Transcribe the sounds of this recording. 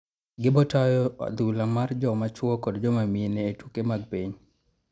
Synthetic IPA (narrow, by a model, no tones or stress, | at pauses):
ɡɪbɔtɔjɔ̰d̪ulamard͡ʒɔmat͡ʃwɔkɔdd͡ʒɔmamieneːtukemaɡ̚piɲ